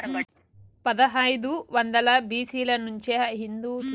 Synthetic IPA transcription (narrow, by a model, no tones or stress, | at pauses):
pɐd̪ɐɦɐjd̪uʋɐnd̪ɐlɐbiːsiːlɐnuɲt͡ʃeɐɦind̪uː